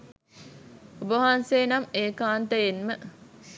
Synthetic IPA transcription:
ubəɦanseːnɐmeːkaːnt̪əjenmə

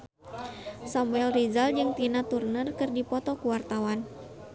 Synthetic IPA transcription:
samuɛlrizald͡ʒɨŋt̪inat̪urnərkɨrdipɔt̪ɔkuwart̪awan

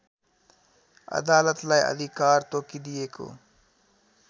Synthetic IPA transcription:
ɐ̰d̪aːlət̪lajɐ̰d̪ikaːɾt̪oːkid̪ijeːko̰ː

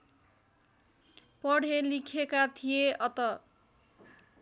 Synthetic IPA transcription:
pʌɽʱelikʰekat̪ʰijeʔʌt̪ʌ

